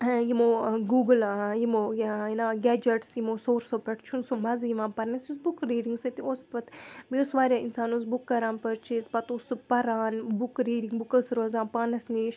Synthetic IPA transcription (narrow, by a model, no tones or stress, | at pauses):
jimoːɡuːɡljimoːjjinaːɡɛːd͡ʒɐʈsjimoːsoːɾsoːpɐʈʰt͡ʃʰunsumɐzjimãːpɐɾnɐsjusbukɾiːɖiŋɡsɐt̪ioːspɐt̪biosʋaːɾʲaːinsaːnusbukːɐɾaːnpəɾt͡ʃʰispɐt̪oːsupɐɾaːnbukɾiːɖiŋɡbukɐsɾoːzaːnpaːnɐsniʃ